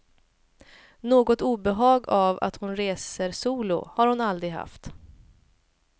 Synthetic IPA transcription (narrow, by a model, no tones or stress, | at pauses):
noːɡɔt̪uːbɛɦɑːɡava̰t̪hʊnɾeːsəɾsuːlʊ̰haɾhʊnald̪ɾɪɡɦa̰ft̪